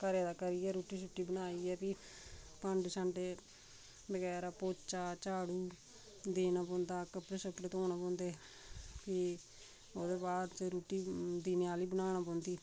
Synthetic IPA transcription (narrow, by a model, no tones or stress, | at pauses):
kəɾeːd̪aːkəɾiːɛːɾuːʈiːsʊʈːiːbənaːiːɛːpiː | pəɳɖsəɳɖeː | bəɡɛːɾaːpoːt͡ʃaːt͡ʃaːɽuː | d̪eːnaːpɔ̃ːnd̪aːkːəpːɽẽːsəpɾeːt̪oːnaːpɔ̃ːnd̪eː | pi | oːd̪eːbaːd̪tɾuːʈiːd̪iːnjaːliːbənaːñaːpɔ̃ːnd̪iː